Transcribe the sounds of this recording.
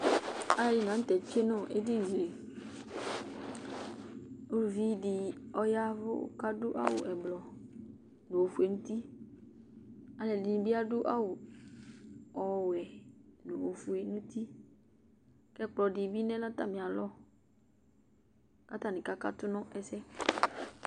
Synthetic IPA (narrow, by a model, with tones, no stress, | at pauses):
a˦˨ji˨nã˨˦t̪ɛ˨t͡ʃe˦nɔ̃˦ʔḛ˦di˦n̩˨ze˨ | o˦lvi˦di˨ɔ˦ja˦vʊ̰˦ka˦dʊ˦ʔa̰˦wʊ̰˨ʔɛ˨blɔ˨ | nõ˨wo˨fu˨e˨nũ˦t̪i˦ | a˨lɛ˨di˨ɲĩ˨bi˦a˦dʊ˦ʔa̰˦wʊ˨ | ɔ˨wɛ˨nu˨wo˨fu˨e˨nũ˦t̪i˦ | kɛ˦k͡plɔ˨di˨bi˦nɛ̃˦lɔ˦t̪a̰˦mĩ˨a˨lɔ˦ | ka˦t̪a˦nĩ˨ka˦ka˦t̪ʊ˦nɔ̃˦ʔɛ˨sɛ˦